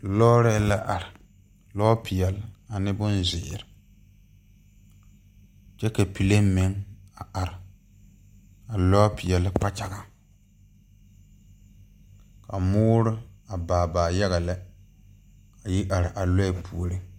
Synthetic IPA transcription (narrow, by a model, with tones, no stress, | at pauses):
lɔː˦ɾɛ˦la˦ʔa˨ɾɪ˨ | lɔ˦pʰɪ˨jɛ˨lɪ˨a˨nɪ˦bʊ˦nzɪ˨ɪ˨ɾɪ˨ | t͡ʃɛ˦ka˨pi˨le˦mɪ˨ŋa˨ʔa˨ɾɪ˨ | a˨lɔ˦pɪ˨jɛ˨lɪ˦k͡pa˦t͡ʃa˨ɡa˨ | ka˨mʊː˦ɾɪ˦a˨baː˨baː˨ja˦ɣa˨la˦ | a˨ji˦ʔa˨ɾɪ˨ʔa˨la˦ɪ˨pʰu˨o˨ɾɨ˦